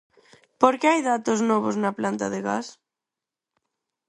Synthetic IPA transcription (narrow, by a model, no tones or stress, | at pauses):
poɾkeajðat̪oznɔβ̞oznaplant̪aðeɣa̰s